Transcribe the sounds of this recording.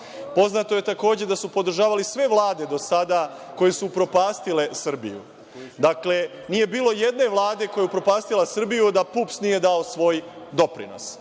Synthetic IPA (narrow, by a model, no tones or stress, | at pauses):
po̞znat̪o̞je̞t̪ako̞ːd͡ʑed̪asupo̞d̪ɾ̩ʒaːʋalisʋe̞ʋlˠaːd̪e̞d̪o̞sad̪a | ko̞je̞supɾo̞paːst̪ile̞sr̩bḭjṵ | d̪akle̞ | nije̞biːlˠo̞je̞d̪ne̞ʋlˠaːd̪e̞ko̞jeupɾo̞paːst̪ilasr̩bijud̪apupsnije̞d̪ao̞sʋo̞ːjd̪o̞pɾḭno̰s